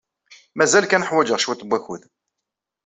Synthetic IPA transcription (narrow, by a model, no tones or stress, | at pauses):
mæzælkænəħwæd͡ʒəʁʃwæt̪ːbʷːæçuð